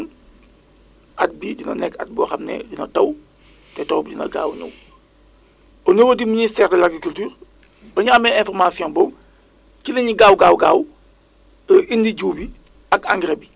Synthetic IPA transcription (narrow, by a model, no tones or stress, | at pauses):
n | ʔat̚biɟinɐ̰nɛkːa̰t̚bɔxɐmnɛ̰ɟinɐtɐw | tɛtɔːwbiɟinɐ̰ɡa̰ːwnɐ̰w | onəwədiministɛːɾdəlaɡɾikultyːɾ | bɐɲuɐmɛɛ̃fɔɾmasijɔ̃bɔm | kilɐɲiɡaːwɡaːwɡaːw | əʔindiɟuːbi | ɐkãŋɡɾebi